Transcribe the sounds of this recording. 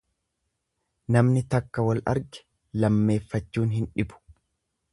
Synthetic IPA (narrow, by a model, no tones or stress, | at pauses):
nɐmnɪt̪ɐkːɐwɐlɐ̰ɾɡɛ̥ | lɐmːe̞ːfːɐt͡ʃːuːnɦɪnᶑɪbʊ̥